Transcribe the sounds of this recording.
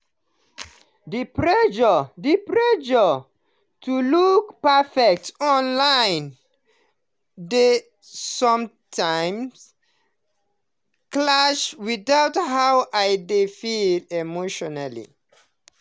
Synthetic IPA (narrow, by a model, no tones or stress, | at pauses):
dipɹɛd͡ʒədipɹɛd͡ʒə | tʰulukpɛfɛk̚tɔ̃nlãɪ̃n | de | sɔ̃m | tʰãɪ̃ms | klaʃwiðawthawʔajdefilemoʃɔnalḭ